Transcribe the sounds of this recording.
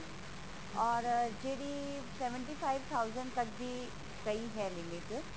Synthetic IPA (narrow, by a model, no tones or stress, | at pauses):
ɔːɾd͡ʒeːɽiː | sɛʋə̃ɳʈiːpʰaːɪʋt̪ʰaʊzə̃ɳɖt̪ɐk̚biː | kɐiɦɛːlɪmɪʈ